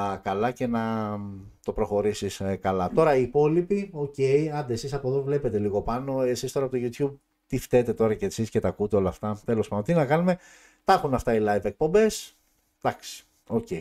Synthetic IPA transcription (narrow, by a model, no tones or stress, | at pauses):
kɐlɐce̞nɐ | t̪o̞pɾo̞xo̞ɾisiskɐlɐt̪o̞ɾɐiːpo̞lipio̞ce̞jɐnd̪eesisɐpo̞ðovle̞pe̞t̪e̞liɣo̞pɐno̞e̞sist̪o̞ɾɐpot̪oʝut̪çub̚ | t̪ift̪e̞t̪e̞t̪o̞ɾɐceːsiscet̪ɐkut̪eo̞lɐft̪ɐt̪e̞lo̞spɐd̪ont̪inɐkɐnume̞ | t̪ɐxunɐft̪ɐilɐjve̞k̚po̞mbe̞s | d̪̥ɐksi̥ | o̞ce̞j